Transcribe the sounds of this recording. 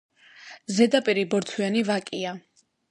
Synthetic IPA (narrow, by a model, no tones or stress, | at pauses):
zɛd̪apʼiɾibɔɾt̪ʰwianivakʼia